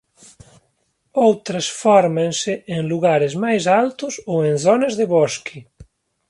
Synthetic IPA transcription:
owt̪ɾesfɔɾmenseʔeŋluɣaɾezmajsalt̪usoenθɔnezðeβɔski

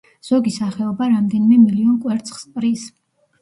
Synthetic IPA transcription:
z̥ɔɡisaχɛɔbaɾamd̪ɛnimɛmiliɔnkʼwɛɾt̪sʰχspʼɾis

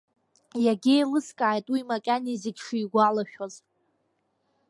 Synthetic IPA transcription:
jaɡʲejlɨskʼaːjtʼwimakʲʼaniziɡʲʂiːɡʷalaʃᶣoz

